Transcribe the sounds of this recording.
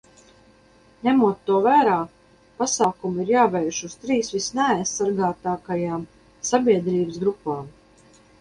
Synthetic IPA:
ɲʲæmuɔt̪ːuɔvæːɾaː | pasaːkumiɾjaːvɛjʃust̪ɾiːsʋisnɛajsːaɾɡaːt̪aːkajaːm | sabʲiɛd̪ɾiːbəsɡɾupːaːm

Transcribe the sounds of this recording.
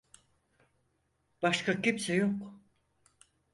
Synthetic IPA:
b̥aʃkacimsɛjok

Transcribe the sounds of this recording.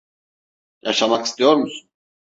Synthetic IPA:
ja̰ʃamaki̥st̪ʰijo̞ɾmusun

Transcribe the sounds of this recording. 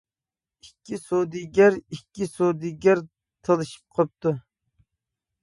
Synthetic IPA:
ikʲːisod̪ɨɡʲɛɾikʲːisod̪ɨɡʲɛɾ | t̪ʰəlˠɨʃɨ̥p̚qʰop̚t̪u

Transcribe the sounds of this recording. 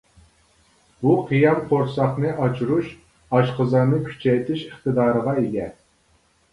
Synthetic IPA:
buqʰijɑmqʰoɾsɑχnɨʔɑt͡ʃʰuɾuʃ | ɑʃqəzɑɾnɨkʲʰy̥t͡ʃʰɛjt̪ʰɪʃəχt̪ɨd̪ɑːɾəʁɑiɡʲɛ

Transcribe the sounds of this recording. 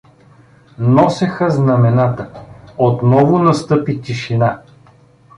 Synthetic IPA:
nɔsɛxəznɐmɛnat̪əot̪nɔvʊnɐst̪ɤpit̪ʲiʃina

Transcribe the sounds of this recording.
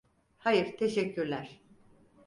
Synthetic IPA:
hajɯɾt̪ʰeʃɛcʰːyɾlʲæɾ̥

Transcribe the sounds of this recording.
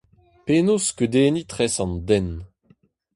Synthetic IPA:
peːnoskød̪eːnit̪χɛsɑ̃ndɛn

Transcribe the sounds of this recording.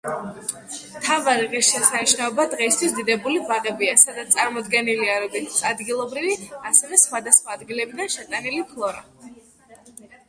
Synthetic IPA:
mt̪ʰavaɾiʁisʃɛsaniʃnaɔbad̪ʁɛist̪ʰwisd̪id̪ɛbulibaʁɛbiasad̪at̪sʼaɾmɔd̪ɡɛniliaɾɔɡ̪it̪t̪sad̪ɡilˠɔbɾiviasɛvɛsχwad̪asχwaːd̪ɡilɛbid̪anʃɛt̪ʼanilipʰlˠɔɾa̰

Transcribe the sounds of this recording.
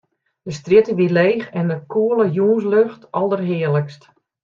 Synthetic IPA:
dəstrjɪtəʋileːxɛndəkʰuələjuːns̬løxtʔɑlˠdərɦɪːələkst

